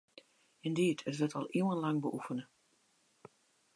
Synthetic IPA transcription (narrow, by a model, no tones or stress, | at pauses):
ɪnditʰətʋətɑlˠiwənlaŋbəʔufənə